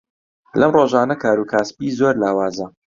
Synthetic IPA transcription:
lɐmroːʒaːnɐkʰaːɾuːkʰaːspiːzoːɾlaːwaːzɐ

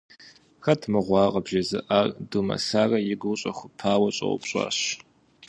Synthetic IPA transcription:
xɐtʰmɨʁʷɑːqʼɐbʒɐzɨʔardumɐ̰saːrɐjɪɡʷʊɕʼɐ̰xʷʊpʰaːwɐɕʼɐ̰wʊ̰pɕʼɑ̰ːɕ

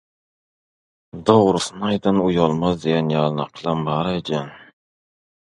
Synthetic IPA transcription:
d̪owɾʊsnajd̪anʊjɒlˠmazd̪ejʲanjalnaqʰlˠambaɾad͡ʒan

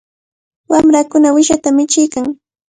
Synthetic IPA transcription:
wamɾakʊnawɪʃat̪amɪt͡ʃɪjkaŋ

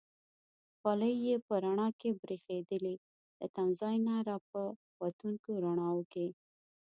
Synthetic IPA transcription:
xɑləjːepəɾaɳɑkebɾixed̪əli | d̪ət̪amzɑjnaɾɑp̚ə | wat̪uŋkoɾaɳ̃ɑwəke

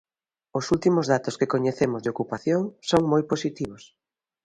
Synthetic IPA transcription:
osult̪imozðat̪oskekoɲeθemʊzðeokupaθjoŋsoŋmojposit̪iβ̞os

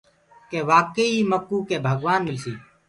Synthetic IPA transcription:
keːʋaːkəiːməkːuːkeːbʱəɡʋaːnmɪlsiː

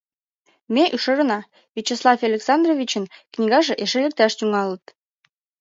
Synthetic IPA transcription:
meʔyʃɤ̆ɾɤ̆nɑ | vit͡ɕeslˠɑfɑlʲeksɑnd̪rovʲit͡ɕə̆nknʲiɣɑʒĕʔeʃelĕk̚t̪æʃt̪yŋɑlə̆t̪

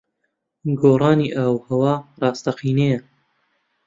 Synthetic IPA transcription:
ɡoːrˤɑːniːʔaːwhɐwɑːrˤɑːst̪ɐqiːnejɐ

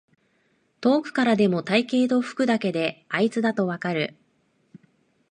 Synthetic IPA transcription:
t̪o̞ːkɯ̟̥kaɾad̪e̞mo̞t̪aike̞ːt̪o̞ɸɯ̟̥kɯ̟d̪ake̞d̪e̞ait͡sɨd̪at̪o̞βakaɾɯ̟

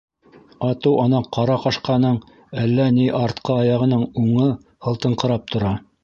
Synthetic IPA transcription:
ɑt̪ɤwʔɑnɑqɑɾɑqɑʃqɑnɤɴ | ælːæniʔɑɾt̪qʰɤɑjɑʁɤ̆nɤɴuɴɤ | hɤ̆lˠt̪ɤ̆ɴqɤ̆ɾɑp̚t̪ʰŏɾɑ

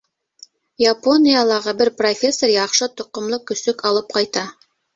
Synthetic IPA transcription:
japo̞nʲijalˠɑʁɤbɘɾprofʲe̞sːoɾjɑqʃɤt̪ŏqːŏmlˠɤkɵ̆sɵkʰɑlˠɤp̚qɑjt̪ɑ

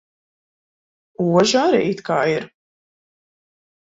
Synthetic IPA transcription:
uɔʒaɾḭit̪kaːiɾ

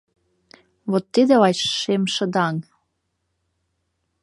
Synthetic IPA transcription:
βot̪ːid̪elɑʃʃemʃə̆d̪ɑŋ

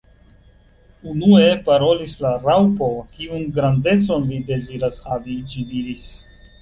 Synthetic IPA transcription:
unu̞e̞paɾo̞lislaɾawpo̞kiunɡɾande̞t͡so̞nlide̞ziɾasadid͡ʒidiɾis

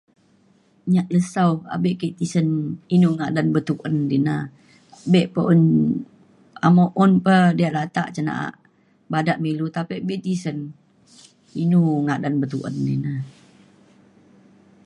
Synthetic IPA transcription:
ɲaʔləsawa̰beʔkəʔt̪isəninuŋaʔdanbət̪uʔəndina | beʔpəʔun | a̰moʔunpədiaʔlat̪aʔt͡ʃəna̰ʔa̰ʔ | badaʔmilut̪apəʔbeʔt̪isən | inuŋaʔdanbət̪ṵʔə̰ndḭna

